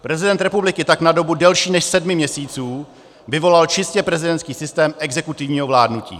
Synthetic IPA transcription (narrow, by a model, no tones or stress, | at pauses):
pɾɛzɪdɛnt̪ɾɛpublɪkɪt̪aknado̞budɛlʃiːnɛʃsɛdmɪmɲɛsiːt͡suː | vɪvo̞lalt͡ʃɪscɛpɾɛzɪdɛntskiːsɪst̪ɛːmɛɡzɛkut̪ɪvɲiːɦovlaːdnucḭː